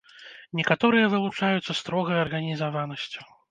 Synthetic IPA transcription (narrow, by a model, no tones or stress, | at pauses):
nʲɛkat̪ɔɾɨjɐvɨlˠut͡ʂajut̪sːɐst̪ɾɔɣɐjɐrɣɐnʲizavanɐsʲt͡sʲu̥